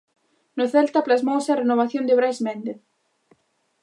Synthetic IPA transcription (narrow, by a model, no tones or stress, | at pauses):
noθɛlt̪aplasmowsarɛnovaθjɔnðɪvɾajsmɛnt̪ɪð